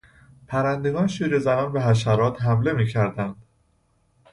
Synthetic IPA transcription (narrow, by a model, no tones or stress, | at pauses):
pʰæɾænd̪e̞ɡɒːnʃiːɾezænɒːnbeɦæʃ̬æɾɒːt̪ɦæmle̞miːcʰæɾd̪ænd̪̥